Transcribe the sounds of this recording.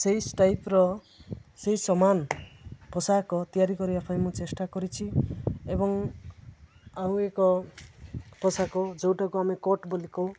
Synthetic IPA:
sejsʈajpɾɔ | sejsɔmanpɔsakɔt̪ijaɾikɔɾiapʰajmut͡ʃesʈakɔɾit͡sʰiebɔŋ | aũekɔ | pʰɔsakod͡ʒowʈakoamikoʈboliko

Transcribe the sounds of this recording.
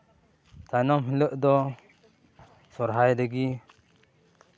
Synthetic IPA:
t̪ʰajnɔmɦiləʔd̪ɔ | sɔɾɦajdɛɡi

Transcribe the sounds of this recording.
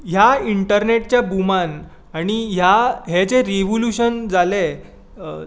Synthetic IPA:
ɦjaiɳʈəɾneʈ̚t͡ɕjabuman | aɽ̃iɦjaɦet͡seɾeʋoluɕənd͡zale

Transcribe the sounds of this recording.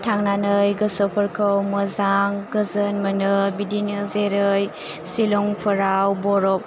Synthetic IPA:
tʰaŋnanɯjɡəsɔpʰəɾkʰəwməzaŋɡɯzənmənɯbidinɯzeɾɯj | silɔŋpʰəɾawbɔɾɔp̚

